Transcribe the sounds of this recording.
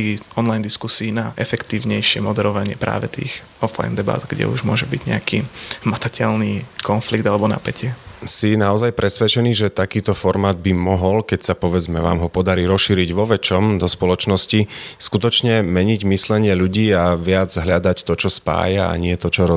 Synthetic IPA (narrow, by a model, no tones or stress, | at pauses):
iɔnlajnd̪iskusiːnaʔɛfɛkt̪iːʊɲɛjʃɪɛmɔd̪ɛɾɔʋaɲɪɛpɾa̰ːʋɛt̪ḭːx | ɔfla̰jnd̪ɛba̰ːd̪ɡɟɛ̰ṵʒmʊɔʒɛbiɟɲɛ̰akimat̪acʰɛlnikɔnfliɡd̪alɛbɔna̰pɛcʰɪɛsinaɔzajpɾɛsʋɛt͡ʃɛniʒɛt̪akiːt̪ɔfɔɾmaːd̪̚bimɔɦɔlkɛcsapɔʋɛd͡zmɛʋa̰ːmɦɔpɔd̪aɾiːɾɔsʃiːɾiɟʋɔʋɛt͡ʃɔmd̪ɔspɔlɔt͡ʃnɔsciskut̪ɔt͡ʃɲɛmɛɲiɟmislɛɲɪɛʎuɟiːaʋɪad͡zɦʎad̪act̪ɔt͡ʃɔspa̰ːjaa̰ɲɪɛt̪ɔt͡ʃɔɾɔ